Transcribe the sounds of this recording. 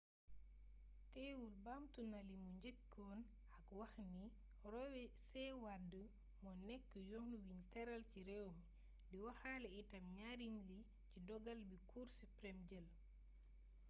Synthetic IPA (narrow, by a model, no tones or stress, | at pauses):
tɛwulbamtunalimuɲɟɛkː | ɔn | akwaxni | ɾɔwɛsɛwadə | mɔnɛkːəjɔŋnuwiɲtɛɾalciɾɛwm | diwaxalɛitɐmɲaɾimli | cidɔɡalbikʰuɾsipɾɛmɟɛl